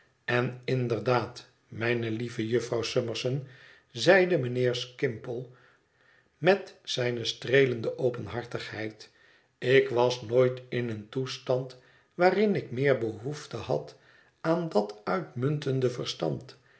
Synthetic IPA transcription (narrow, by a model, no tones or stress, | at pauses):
ɛnɪndərdaːt | mɛjnəlivəjɵfrɑwsøməɹsən | zɛjdəmənɪːɹskɪmpəlˠ | mɛtsɛjnəstrejləndəʔowpənɦɑɹtəχɦɛjt | ɪkʋɑsnoːjtɪnəntustɑnt | ʋaːrɪnɪkmɪːɹbəɦuftəhɑ̰t | aːndɑtœɥtmɵntəndəvəɹstɑ̰nt